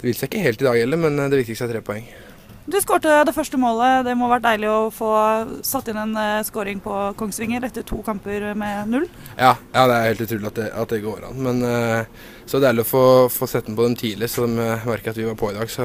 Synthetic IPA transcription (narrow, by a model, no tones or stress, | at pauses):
d̪̥ɛʋɪlsæɪkːəheːlt̪ɪd̪ɑːɡɛlːəɾmɛnd̪ɛʋɪk̚t̪ɪkst̪æt̪ʰɾeːpʰɔɛŋː | d̪ʉskoːʈəd̪ɛfœʂʈəmoːləd̪ɛmɔʋæʈ̚d̪æɪlɪɔfoːsɑt̪ːɪnɛnskoːɾɪŋpʰɔkʰɔŋsʋɪŋːəɾɛt̪ːəɾʈʰuːkʰɑmpəɾmɛnʉlː | jɑːjʔɑːd̪ɛæɾheːlt̪ʉːt̪ʰɾʉːlɪɑt̪̚d̪ɛʔɑ̰t̪̚d̪ɛɡoːɾɑ̰nːmɛn | sɔd̪ɛæɾlɾɔfoːfoːsɛːt̪ːnpʰɔd̪ɛmt̪ʰiːlɪɾəsɔmmæɾkəɾɑt̪ʋɪʋɑɾpʰoːɪd̪ɑːɡsɔ